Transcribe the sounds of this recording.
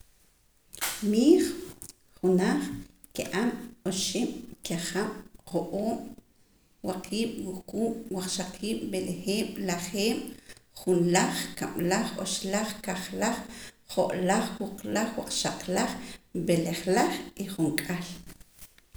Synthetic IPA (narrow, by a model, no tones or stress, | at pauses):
miːχ | χunaːχ | kḭʔamoʃiɓ̥kaχamqoʔoːm | waqʰiːɓ̥wuxqʼuːmwaq͡χʃaqʰiːɓ̥belexeːm̥laχeːm̥χunlaχkamlaχo̰ʃlaχkaχlaχχoʔlaχwuqlaχwaq͡χʃaqlaχbeleχlaχiχuŋkʼal